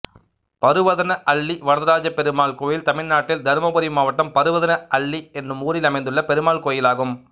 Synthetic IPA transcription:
pɐɾɯʋɐðɐnɐʔɐɭːiʋɐɽɐðɐɾaːd͡ʒɐpɛɾɯmaːɭkoːjɪlt̪ɐmɪɭnaːʈːɪld̪ɐɾmɐbɐɾimaːʋɐʈːɐmpɐɾɯʋɐðɐnɐʔɐɭːiɛnːɯmuːɾɪlɐmɐɪnd̪ɯɭːɐpɛɾɯmaːɭkoːjɪlaːɣɯm

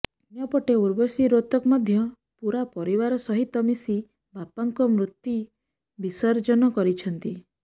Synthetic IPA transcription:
njɔpɔʈeuɾbɔsiɾot̪ɔkɔmɔd̪ʱjɔ | puɾapɔɾibaɾɔsɔɦit̪ɔmisi | bapaŋkɔmɾut̪ji | bisɔɾd͡ʒɔnɔkɔɾit͡ʃʰɔnt̪i

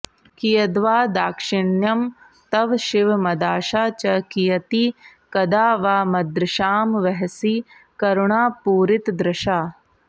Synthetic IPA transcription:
kijɐd̪ʋaːd̪aːkʂɪɳjɐm | t̪ɐʋʃiʋmɐd̪aːʃaːt͡ʃɐkijɐt̪ikɐd̪aːʋaːmɐd̪ɾɪʃaːmʋɐɦɐsi | kɐɾuɳaːpuːɾit̪d̪ɾɐʃaː

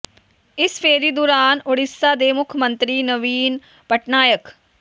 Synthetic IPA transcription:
ɪspʰeːɾiːd̪oːɾaːnʊɽɪsːaːd̪eːmʊkʰmə̃nt̪ɾiːnəʋiːn | pəʈnaːjək

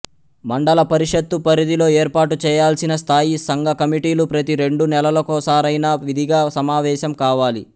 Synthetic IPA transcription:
mɐɳɖɐlɐpɐɾiʂɐt̪ːupɐɾid̪ilo̞ːeːɾpaːʈut͡ʃɛːjaːlsinɐst̪ʰaːjisɐŋɡɐkɐmiʈiːlupɾɐt̪iɾe̞ɳɖunɛlɐlɐkoːsaːɾɐjnɐʋid̪ʱiɡaːsɐmaːʋɛːʃɐmkaːʋaːlḭ

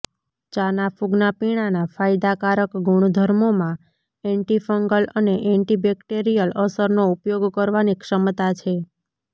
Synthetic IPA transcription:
t͡ʃanafuɡnapiɽ̃anafajd̪akaɾəkɡʱuɽ̃d̪ʱəɾmomã | ɛ̃ɳʈifəŋɡələneʔɛ̃ɳʈibɛkʈeɾijələsəɾnoupjoɡkəɾʋanikʃəmt̪at͡ʃʰe

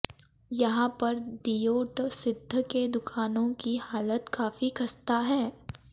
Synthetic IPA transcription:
jɐɦãpɐɾd̪ijoːɾt̪sɪd̪ʱːəked̪ʊkʰaːnõkihaːlət̪kaːfikɐst̪aɦɛː

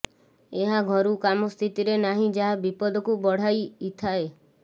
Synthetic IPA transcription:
eɦaɡʱɔɾukamɔst̪ʰit̪iɾenaɦĩd͡ʒaɦabipɔd̪ɔkubɔɽ̤ajit̪ʰae

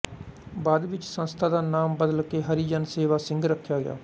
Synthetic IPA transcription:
baːd̪ʋɪt͡ʃsənst̪ʰaːd̪aːnaːmbəd̪əlkeːɦəɾiːd͡ʒənseːʋaːsɪŋɡɾəkʰːjaːɡɪ̰ja̰ː

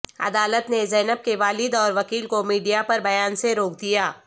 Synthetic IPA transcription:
ɐ̰d̪aːlət̪nezɛːnəb̚keʋaːlɪd̪ɔːɾʋɐkiːlkomiːɖijapɐɾbɐjaːnseɾoːk̚d̪ijaː

